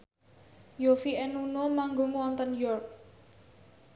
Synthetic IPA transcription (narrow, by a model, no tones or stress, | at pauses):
jofiɛnunomaŋɡoŋwɔnt̪ɔnjɔrk̚